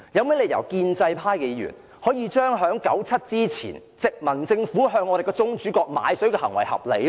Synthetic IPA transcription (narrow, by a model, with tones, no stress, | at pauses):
jɐ˨˧wmɛː˨˥le˨˧jɐ̰˨˩wkiː˧nt͡sɐ˧jpʰaː˥jke˨˧jjy̰ː˨˩n | hɔː˨˥jiː˧t͡ʃœː˥ŋɦœː˨˥ŋkɐ̰˨˥wt͡sʰɐ˥t̚t͡siː˥t͡sʰḭː˨˩n | t͡sɪ˨k̚mɐ˨˩nt͡sɪ˧ŋfuː˨˥ɦœː˧ŋːɔː˨˧ɾe˨jkɔː˧t͡sʊ˥ŋt͡ʃyː˨˥kɔː˧k̚ma̰ː˨˧jsɵ˨˥ɥkɛː˧hɐ˨˩ŋwɐ˨˩jhɐ̰˨p̚le˨j